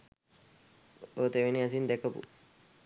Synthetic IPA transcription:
oːt̪eʋiniɐs̬ind̪ɛkɐpṵ

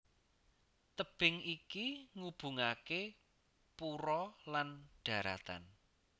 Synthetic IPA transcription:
t̪əb̥ɪŋikiŋub̥ṳŋake | puɾɔlanɖ̥ä̤ɾa̰t̪a̰n

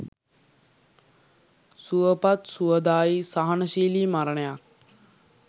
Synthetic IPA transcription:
suəpat̪suəd̪aːisaɦanəʃiːliːmaɾəɳəjak̚

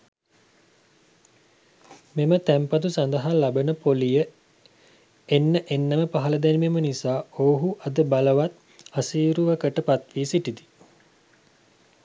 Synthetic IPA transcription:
memət̪æmpat̪usand̪əɦalabənəpolijə | enːəʔenːəməpaɦɐləd̪ænimemənisaːoːɦuʔad̪əbaləʋat̪̚ | asiːɾuʋəkəʈəpat̪ʋiːsiʈid̪i

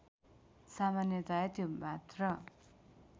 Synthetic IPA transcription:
samanjʌt̪ajʌt̪ʰjombʱat̪rʌ

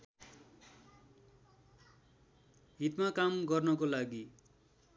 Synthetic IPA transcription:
ɦit̪makamɡʌrnʌkolaɡi

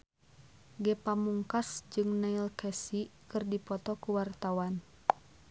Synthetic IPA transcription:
ɡɛpamuŋkasd͡ʒɨŋnailkɛsikɨrdipɔt̪ɔkuwart̪awan

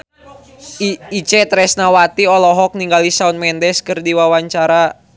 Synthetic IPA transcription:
it͡ʃɛt̪ɾɛsnawat̪iɔlɔɦɔk̚niŋɡalisaunmɛndɛskɨrdiwawaɲt͡ʃaɾa

